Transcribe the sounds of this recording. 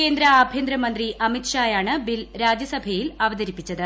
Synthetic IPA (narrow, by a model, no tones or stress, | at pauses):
ke̞ːnd̪ɾɐaːbʱjend̪ɾɐmɐnd̪riʔɐmit̪ʂaːjaːɳɨbilɾaːd͡ʑjɐsɐbʱɐjilɐʋɐðɐɾipːit͡ɕːɐðɨ